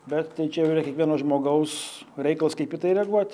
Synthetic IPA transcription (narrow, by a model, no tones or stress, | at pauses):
bʲɛt̪t̪ɐɪt͡ʃʲɛjɛʊiːɾɐkʲɛkʋiɛnoːsʒmoːɡɐʊsɾʲɛɪkɐlˠɐskɐɪpʲɪt̪ɐɪɾʲɛɡuɔt̪ʲ